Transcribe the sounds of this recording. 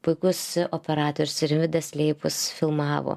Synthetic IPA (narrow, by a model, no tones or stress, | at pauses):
pʊɪkʊsoːpʲɛɾɑːt̪oɔɾʲʊsɪɾʋʲɪd̪ɐsʲlʲeɪpʊsfʲɪlˠmɑːʋo̰ː